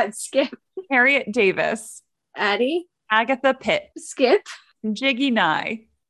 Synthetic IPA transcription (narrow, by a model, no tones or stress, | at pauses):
tskɪp̚kʰɛɹiɨt̚d̥eɪvɨ̰s | ʔæɾi | æɡɨθəpʰɪt̚skɪp | d͡ʒɪɡinaɪ